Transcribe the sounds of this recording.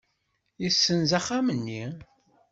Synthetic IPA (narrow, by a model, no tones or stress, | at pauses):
jisːənzaχamənːi